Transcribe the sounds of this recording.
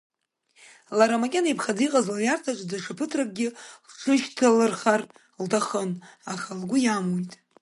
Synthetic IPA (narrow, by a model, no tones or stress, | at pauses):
laɾamakʲʼenaipʰχadiqʼazljartʰat͡ʃʷʼdaʂapʰɨtʰrak̚ʼɡʲɪχʈ͡ʂʷʰɨʃtʰalɨrχar | ltʰaχənaχalɡʷʊjamojtʼ